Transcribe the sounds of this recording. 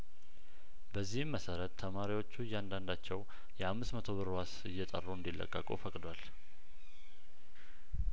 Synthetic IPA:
bəzːihmːəsəɾət̪ʰːəmaɾiwo̞t͡ʃːujːand̪and̪at͡ʃːɛw | jɛhamːɨsmət̪ʰo̞βɨɾwasɨjːɛt̪ʼə̰rːuɨnd̪ilːə̰kʼːəkʼṵfəkʼd̪wal

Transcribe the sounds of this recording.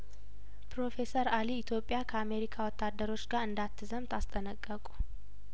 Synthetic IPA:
pɾo̞fe̞səɾaliːt̪ʰjo̞pʼːjakʰəame̞ɾikʰawɔt̪ːad̪ːəɾo̞t͡ʃːɡaɾɨnd̪at̪ʰːɨzəmt̪ʰast̪ʼənəkʼːəkʼu̥

